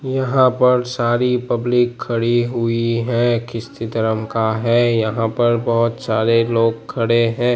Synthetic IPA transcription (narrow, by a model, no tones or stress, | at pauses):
jɐɦãpɐɾsaːɾipɐblɪkʰːɐɽiɦʊiɦɛ̃kɪst̪it̪əɾəmkaɦɛːjɐɦãpɐɾbɐɦʊt̪saːɾeloːɡkʰːɐɽeɦɛ̃ː